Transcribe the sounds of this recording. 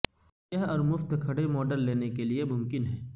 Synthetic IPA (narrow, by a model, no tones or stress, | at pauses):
jɐɦɔːɾmʊft̪kʰɐɽemɔːɖəlːeːnekeliemʊmkɪnɦɛː